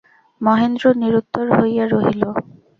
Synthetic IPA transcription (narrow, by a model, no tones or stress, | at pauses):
mɔɦend̪ɾoniɾut̪ːoɾɦojaɾoɦilo